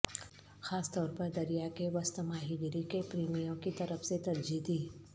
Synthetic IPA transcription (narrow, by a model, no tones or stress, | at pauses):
xaːst̪ɔːɾpəɾd̪ɐɾijakeʋɐst̪maːɦiːɡɪɾikepɾiːmijõkit̪ɐɾəfset̪ɐɾd͡ʒid̪ʱiː